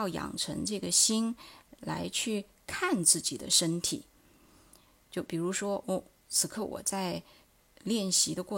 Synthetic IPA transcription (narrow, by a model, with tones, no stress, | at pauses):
jɑ˥˩ʊjɑ̰˨˩ŋʈ͡ʂʰə̰˧˥ŋʈ͡ʂɤ˥˩ɡə˩ɕi˥nla˧˥ɪt͡ɕʰy˥˧ | kʰa˥˧nt͡sɹ̩˥˩t͡ɕi˨˩d̪ə̰˦ʂə˥nt̪ʰḭ˨˩˦ | t͡ɕjo˥˩ʊpi˨˩ɻu˧˥ʂwɔ˥ʔɔ˥˩ | t͡sʰɹ̩˨˩kʰɤ˥˩wɔ̰˨˩t͡sa˥˧ɪ | ljɛ˥˩nɕi˧˥d̪ə˧kwɔ˥˩